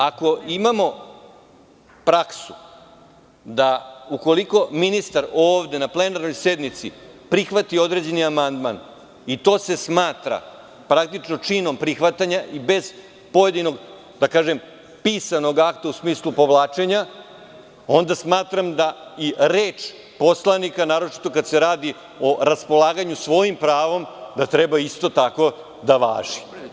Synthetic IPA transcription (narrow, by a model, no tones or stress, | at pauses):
ako̞imamo̞ | pɾaksu | d̪auko̞liko̞minist̪aɾoːʋd̪e̞naple̞naɾno̞jse̞d̪nit̪sḭpɾixʋat̪io̞d̪ɾe̞d͡ʑe̞niamand̪man | it̪o̞ːse̞smaːt̪ɾa̰ | pɾakt̪it͡ʂno̞t͡ʂino̞mpɾixʋat̪aɲaʔibe̞z | po̞jed̪ino̞ɡ | d̪akaːʒem | piːsano̞ɡakt̪ausmiːslˠupo̞ʋlˠaːt͡ʃe̞ɲa | o̞nd̪asmaːt̪ɾamd̪aiɾeːt͡ʃ | po̞slˠanikanaːɾo̞t͡ʃi̥t̪o̞kad̪seɾaːd̪i | o̞ɾaspo̞lˠaːɡaɲusʋo̞jimpɾaːʋo̞md̪at̪ɾebaist̪o̞t̪ako̞ | d̪aʋa̰ːʒi